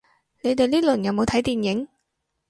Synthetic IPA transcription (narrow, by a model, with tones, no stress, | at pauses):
ne˨˧jt̪e˨jliː˥lɵ˨˩njɐ˨˧wmo˨˧wtʰɐ˨˥jt̪iː˨˩njɪ˨˥ŋ